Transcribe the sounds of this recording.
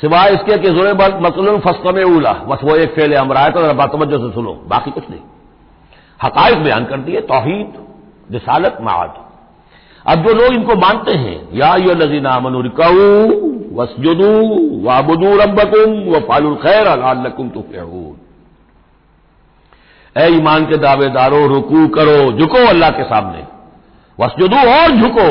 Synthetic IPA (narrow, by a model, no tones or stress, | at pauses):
sɪʋaːɪskek̬ezʊɾeɐmɐslʊnfɐst̪ɐmɪʕuːla̰bɐsʋoeːkfeːleɐmɾaːjet̪ʰazɐɾabaːt̪ɐʋɐd͡ʒːos̬esʊlo̰ːba̰ːqikʊt͡ʃʰnɐ̰ɦḭ̃ | hɐqaːɪq̚bɛja̰ːnkɐɾt̪iɦɛt̪ɔːɦiːd̪ | ɾɪsaːlət̪ma̰ʕa̰d̪ | ɐ̰b̚d͡ʒoːloːɡɪnkomãːnt̪eɦɛ̰̃ːjaːɐjːoɦɐlːɐziːnaaːmɐnuɾɪkaɦuːwɐsd͡ʒʊd̪uːwɐbʊd̪uːɾɐbːɐkʊmwɐfaːlʊlxɛːɾɐlaalːɐkʊmt̪ʊfɪ̰ʕṵːn | ɛːiːmaːnked̪aːʋed̪aːɾõɾʊkuːkɐɾod͡ʒʱʊkoɐlːaɦkesa̰ːmnḛ | ʋɐsd͡ʒʊd̪uɔːɾd͡ʒʱʊko